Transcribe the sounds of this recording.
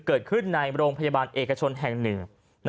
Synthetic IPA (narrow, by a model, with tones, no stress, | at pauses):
kɤː˨˩t̪̚kʰɯ˥˩nːa˧jɾoː˧ŋpʰa˧ja˧baː˧nʔeː˨˩kːa˧t͡ɕʰo˧nɦɛ˨˩ŋnɯ˨˩ŋ | n